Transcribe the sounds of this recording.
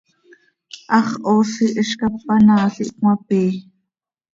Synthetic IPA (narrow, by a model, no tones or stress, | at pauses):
ʔɑχʔoːsiʔiʃkapːanaːɬiʔkmɑpiː